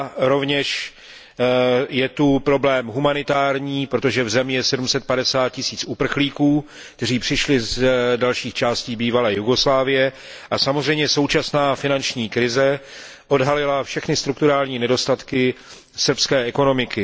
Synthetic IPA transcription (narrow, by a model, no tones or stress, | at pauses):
ɾo̞vɲɛʃ | jɛt̪upɾo̞blɛːmɦumanɪt̪aːɾɲiːpɾo̞t̪oʒɛvzɛmɲɛsɛdumsɛt̪̚padɛsaːt̪̚cɪsiːt͡supr̩xliːkuː | kt̪ɛriːpr̝̥ɪʃlɪzdalʃiːxt͡ʃaːsciːbiːvalɛːjuɡo̞slaːvɪjɛ | ʔasamozr̝ɛjmɲɛso̞wt͡ʃasnaːfɪnant͡ʃɲiːkɾɪzɛ | ʔo̞dɦalɪlafʃɛxnɪst̪ɾukt̪uɾaːlɲiːnɛdo̞st̪at̪kɪ | sr̩pskɛːɛko̞no̞mɪkɪ